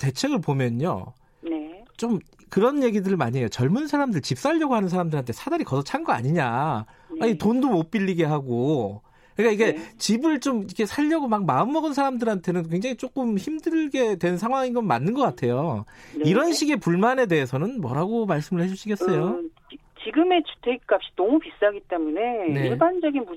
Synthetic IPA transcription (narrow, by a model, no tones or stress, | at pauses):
te̞t͡ɕʰe̞ɡɯɭpomjʌno̰ | t͡ɕom | kɯɾʌnje̞ɡidɯɾɯɭma̰ɲejot͡ɕʌɭmunsʰaɾamdɯɭt͡ɕip̚s͈aʎːʌɡoɦanɯnsʰaɾamdɯɾantʰe̞sʰadaɾikʌsʰʌt͡ɕʰanɡʌa̰ɲiɲa | aɲitondomop͈iʎːiɡeɦaɡo | kɯɲikaiɡe̞t͡ɕibɯɭt͡ɕomikʰe̞sʰaʎːʌɡomak̚maɯmːʌɡɯnsʰaɾamdɯɾantʰe̞nɯnkwe̞ŋd͡ʑaŋit͡ɕ͈ok͈ɯmçimdɯɭɡe̞dwe̞nnsʰaŋɦwaŋinɡʌnmːa̰nːɯnɡʌk͈atʰe̞joiɾʌnɕʰiɡe̞puɭmane̞de̞ɦesʰʌnɯnmwʌ̰ɾaɡomaɭs͈ɯmɯɭhed͡ʑuɕʰiɡess͈ʌjo | t͡ɕiɡɯme̞t͡ɕu̥tʰeɡik͈ap̚ɕ͈i̥nʌmupis͈ɦaɡit͈e̞mune̞neiɭband͡ʑʌɡinbu